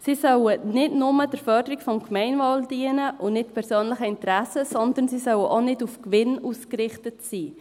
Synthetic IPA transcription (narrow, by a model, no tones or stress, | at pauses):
sisœwənɪdnʊməd̥əɾfœɾdəɾikfɔmkmɛɪnvɑːld̥iənəʔʊnɪtpʰɛɾsøːnləχəɪntəɾæsəsɔnd̪ənsisœwəʔonɪdufkʋɪnuːskɾɪχtətsiː